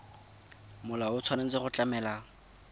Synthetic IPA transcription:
mʊlaʊt͡sʰwanen̩t͡sɪχʊt͡ɬʼamɛːla

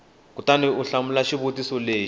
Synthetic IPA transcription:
kutaniuɬamulaʃiβotisɔleː

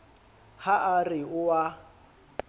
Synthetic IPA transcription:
haʔarɪʊwa

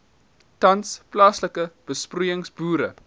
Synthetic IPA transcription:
tɐnsplɑːsləkəb̥əsprujəŋsbuːɾə̰

